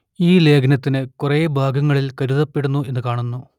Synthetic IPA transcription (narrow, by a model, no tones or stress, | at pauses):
iːle̞ːɡʰnɐt̪ːinɨkureːbʱaːɡɐŋːɐɭilkɐɾuðɐpːe̞ɽunːue̞nːɨkaːɳunːu